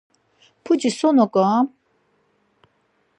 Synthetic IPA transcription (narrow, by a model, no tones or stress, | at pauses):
pʰud͡ʒisɔnɔkʼã